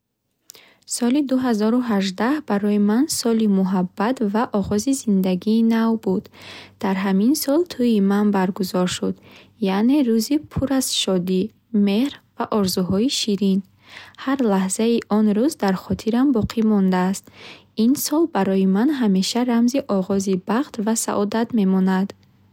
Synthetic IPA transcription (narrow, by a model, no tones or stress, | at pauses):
sɔlid̪uɦazɔɾuɦaʒd̪ahbaɾɔjimansɔlimuɦabːat̪vaʔɔʁɔzizind̪aɡiːnavbud̪d̪̥aɾɦaminsɔlt̪ʰuimanbaɾɡuzɔɾʃud̪ | jaʔne̞ɾuzipʰuɾaz̥ʃɔd̪i | me̞hɾvaʔɔɾzuɦɔiʃiɾin | haɾlahz̥aiʔɔnɾuzd̪aɾχɔt̪ʰiɾambɔqʰimɔnd̪aːst̪ | insɔlbaɾɔjimanɦame̞ʃaɾamziʔɔʁɔzibaχt̪vasa̰ʔɔd̪at̪me̞mɔnad̪